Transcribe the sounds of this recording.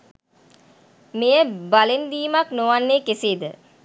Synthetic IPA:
mejəbalend̪iːmaknoʋanːeːkeseːd̪ə

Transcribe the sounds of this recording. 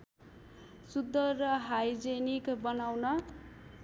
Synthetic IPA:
sud̪ːʌrːʌɦajd͡zenikbʌnawnʌ

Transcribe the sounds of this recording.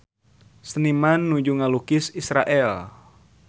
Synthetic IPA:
sənimanːud͡ʒuŋalukɪsisɾa̰ʔɛl

